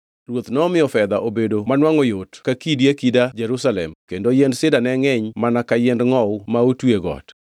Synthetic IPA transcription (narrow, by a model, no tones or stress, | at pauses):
ɾwot̪nɔmɪjɔfɛd̪aʔobedomanwaŋɔjotkakidjekidad͡ʒɛɾusalɛ̰mkendojendsɪdanɛŋɛɲmanakajɛndŋɔwmaotweɡɔ̰t